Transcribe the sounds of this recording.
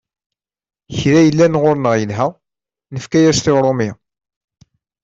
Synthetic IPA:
çɾæjəlːænʁoɾnəʁjəlɦæ | nəfkæjæst̪ɪʁɾˤomi

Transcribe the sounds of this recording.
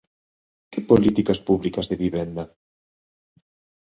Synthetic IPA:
kɪpolit̪ikɐspuβlikɐzðeβiβɛnd̪a

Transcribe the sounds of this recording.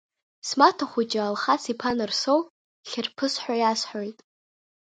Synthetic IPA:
smatʰaχʷut͡ʃʼaalχasipʰanɨrsow | ɬʲɪrpʰɨsħʷᶣajasħʷᶣojtʼ

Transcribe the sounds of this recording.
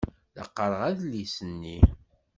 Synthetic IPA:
lə̰qːəɾˤəʁæðlisənːi

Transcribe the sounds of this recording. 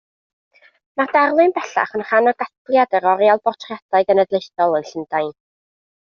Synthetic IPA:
madarlˠɨnbɛɬa̰χənχanɔɡatlˠjadəɾɔɾjalˠbɔtʰrjadaɨɡənədlˠejθɔlˠənɬəndajn

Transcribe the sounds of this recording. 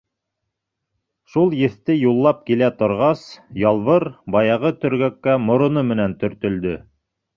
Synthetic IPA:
ʃulˠjɘ̆θt̪ɘjulˠːɑp̚kilæt̪ŏɾʁɑsjɑlˠβɤɾbɑjɑʁɤt̪ɵ̆ɾɡækːæmŏɾŏnɤmɘ̆nænt̪ɵ̆ɾt̪ɵ̆ld̪ɵ

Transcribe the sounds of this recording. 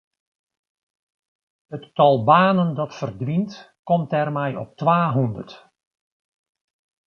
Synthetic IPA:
hətːɑlˠbaːnəndɑtfərdʋint | kɔmtɛrmɛjɔ̰p̚tʋaːɦundə̰rt

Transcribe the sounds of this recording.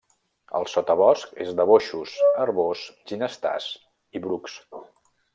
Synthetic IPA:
ə̰lˠsot̪əβɔskḛzðəβoʃusərβosʒinəst̪a̰s | iβɾuks

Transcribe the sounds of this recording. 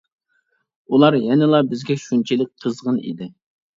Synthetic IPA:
ulˠɑɾjɛnɪlˠɑbɪzɡʲɛʃunt͡ʃʰilɪk̚ʲqʰəzʁənḭd̪ɪ

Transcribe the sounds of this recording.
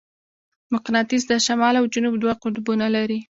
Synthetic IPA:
mʊqnɑt̪izd̪əʃamɑlawd͡ʒʊnubd̪waqʊd̪bunalaɾi

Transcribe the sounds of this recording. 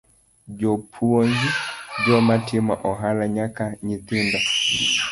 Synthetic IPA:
d͡ʒɔpʰuɔɲd͡ʒid͡ʒɔmatʰima̰ʔɔɦalaɲakaɲit̪inda

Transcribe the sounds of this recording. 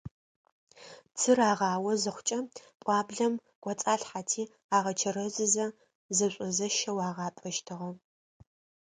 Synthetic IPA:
t͡sʰɨraːʁɑːwɐzɨχʷʊt͡ʃʼɐpʷʼɑːbɮɐm | ɡ̥ʷɔt͡sʼaːɬħatʰiː | aːʁɐt͡ʃʰɐɾɐzɨzɐ | zɐɕʷʼɔzɐʃɐwaːʁɑːpʼɐʃtʰɨʁɐ

